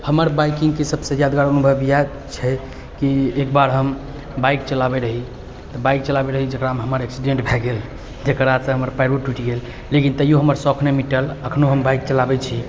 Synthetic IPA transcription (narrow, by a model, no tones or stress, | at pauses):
həməɾbajkiŋɡkesəbsẽjad̪ɡaɾənubʱəbija | t͡ʃʰɛ | kiek̚baɾɦəm | bajk̚t͡ʃəlabɛɾəɦi | t̪ɔbajk̚t͡ʃəlabeɾəɦid͡ʒekɾamɦəməɾeksiɖẽɳʈbʱɛɡel | d͡ʒekɾasə̃ɦəməɾpajɾuʈiʈiɡelː | ekint̪əjoɦəməɾsɔkʰnemiʈələkʰnoɦəmbajk̚t͡ʃəlabɛt͡ʃʰi